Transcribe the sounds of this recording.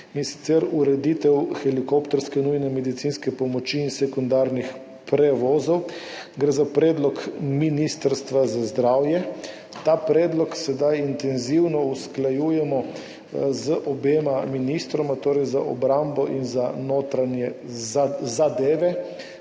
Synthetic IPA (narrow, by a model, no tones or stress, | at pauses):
insi̥t̪sɛɾuɾɛd̪iːt̪ɛwxɛlikopt̪ɔɾskɛnujnɛmɛd̪it̪sinskɛpɔmɔt͡ʃiːnsɛkund̪aɾnix | pɾɛʋɔːzɔw | ɡɾɛzapɾɛːd̪lɔkminist̪əɾst̪ʋazazd̪ɾaːwjɛ | t̪apɾɛːd̪lɔksɛd̪ajint̪ɛnziwnɔusklajujɛmɔ | zəʔɔbeːmaminist̪ɾɔmat̪oːɾɛjza̰ʔɔ̰bɾambɔʔinzanoːt̪ɾanjɛ | zad̪eːʋɛ